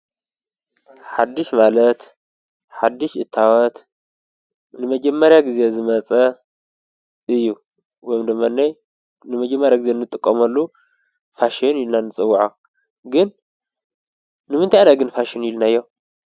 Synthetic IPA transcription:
ħad̪ːɨʃmalɐt̪ | ħad̪ːɨʃʔɨt̪ʰːawɔt̪ | nɨmɐd͡ʒɐmːɐɾjaɡize̞zɨmɐt͡sʼɐ | ʔɨjːu | wojmd̪ɨmːanːaj | nɨmɐd͡ʒɛmːɐɾjaɡɨzenːɨt̪ʼɨkʼːɐmɐlːu | faʃinɪlnanːɨt͡sʼɨwːaʕa | ɡɨn | ɨmɨnt̪ʰajnaɡɨnfaʃɪnilnajːo

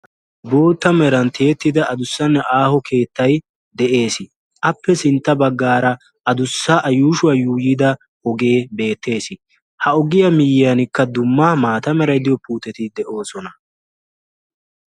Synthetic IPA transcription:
bo̞ːt̪ːɐmɛɾɐnt̪ʰe̞ːt̪ːɪd̪ɐʔɐd̪ʊsːɐnːɛʔaːhɔkʰe̞ːt̪ːɐj | d̪ɛʔe̞ːsɪ | ʔɐpːɛsɪnt̪ːɐbɐɡːaːɾɐ | ɐd̪ʊsːɐʔɐjuːʃʊwɐjuːjɪd̪ɐ | ɔɡe̞ːbe̞ːt̪ːe̞ːsɪ | hɐɔɡɪjɐmɪjɪjɐnɪkːɐd̪ʊmːɐmaːt̪ɐmɛɾɐjd̪ɪjɔpuːt̪ɛt̪ɪd̪ɛʔo̞ːsɔnɐ

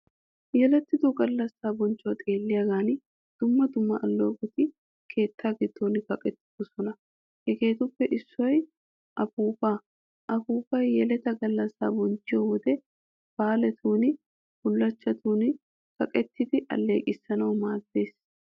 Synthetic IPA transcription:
jɛlɛt̪ːɪd̪ʊɡɐlːɐsːaːbɔnt͡ʃːɔwɐt̪ʼeːlːɪjɐɡaːnɪ | d̪̥ʊmːɐd̪ʊmːɐʔɐlːo̞ːkʼʊt̪ɪ | kʰe̞ːt̪ːaːɡɪd̪ːoːnɪkɐkʼɛt̪ːɪ̥d̪ɔsɔnɐ | hɛke̞ːt̪ʊpːɛʔɪsːɔj | ʔɐfuːba | ʔɐfuːbɐjjɛlɛt̪ɐɡɐlːɐsːa̰ːbɔnt͡ʃːɪjɔwɔd̪ɛ | b̥aːlɛt̪ʰuːnɪ | hʊlːɐt͡ʃːɐt̪ʰuːnɪ | kɐkʼɛt̪ːɪd̪ɪʔɐ̰lːe̞ːkʼɪsːɐnɐwmaːzd̪e̞ːs

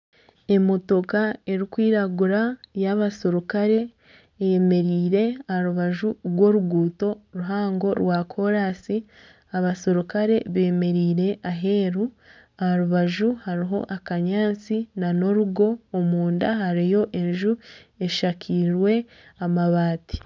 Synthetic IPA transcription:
e̞moto̞kae̞ɾikwiːɾaɡuɾajaβasoɾukaɾe̞ | ejeme̞ɾiːɾe̞ahaɾuβaʒuɾɡwo̞ɾuɡuːto̞ɾuɦaːŋɡo̞ɾwakʰo̞ɾasi | aβasoɾukaɾe̞βeme̞ɾiːɾe̞ʔaɦe̞ːɾu | ahaɾuβaʒuhaɾiɦo̞̰ʔakaɲaːt͡sinano̞ɾuɡo̞ːmuːndaɦaɾijo̞ʔe̞ɲʒue̞ʃakʰiɾwe̞ | amaβaːti̥

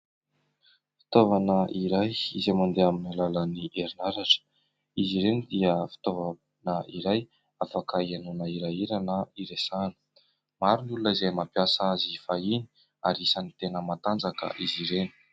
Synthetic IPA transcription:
fi̥t̪ovanəʔiɾajizejmand̪eaminilaləniʔeɾinaɾaʈ͡ʂə̥ | iziɾenid̪iəfi̥t̪ova | nəiɾaj | afakəianunəiɾajiɾanəiɾesanə̥ | maɾunulunəizejmapjasaazifaini̥ | aɾisanit̪enəmat̪and͡zakə̰ʔiziɾeni̥

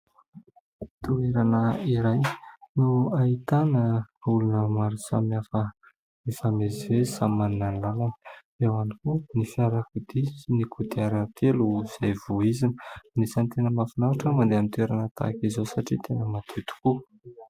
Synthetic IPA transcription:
t̪ueɾanəiɾajnuait̪anəulunəmaɾusa̰miafə | isamezivesamaninanlalanə | ewanikunifiaɾakud̪isinikʰud̪iaɾət̪ʰeluz̥ajvuizinə̥nisant̪enəmafinaaʈ͡ʂəmand̪eamint̪ueɾanət̪a̰kizosaʈ͡ʂit̪enəmat̪ʰut̪u̥ku

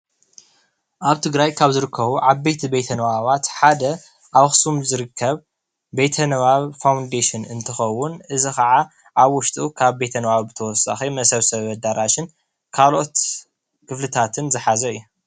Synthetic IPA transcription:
ʔaβt̪ʰɨɡɾajkʰaβzɨɾɨkʰːɐβuʕaβbet̪ʰibe̞t̪ʰɐnɐβaβat̪ħad̪ɐ | ʔaβxsumzɨɾɨkʰːɐβ | be̞t̪ʰɐnɐβaβfawnd̪eʃɪnɨnt̪ʰɨxɐwːʊnʔɨzikɐʕa | ʔaβwʊʃt̪ʼukʰaβbe̞t̪ʰɐnɐβaβbɨt̪ʰɐwɔsa̰ximɐsɐβsɐβɐd̪aɾʔaʃɪn | kʰalo̞t̪ | kʰɨflɨt̪ʰat̪ʰɨnzɨħazɐɨjːu

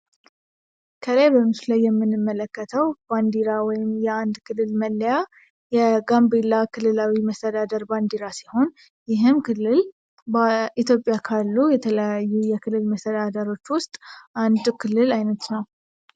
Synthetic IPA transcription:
kʰəlajbəmɨsulajːɛmːɨnːɨmːələkːət̪ʰəwb̥and̪iɾawɔjɪmjɛand̪kʰɨlːɨlməlːja | jɛɡambelːakʰɨlːɨlawiməst̪ʰəd̪ad̪əɾband̪iɾasiho̞n | jɪɦɨmkʰɨlːɨl | ʔit̪jopʼːjakʰalːujɛt̪ʰələjajːujɛkʰɨlːɨlməst̪ʰəd̪ad̪əɾo̞t͡ʃːwʊst̪ʼʔand̪kʰɨlːɨlajnət̪nəw

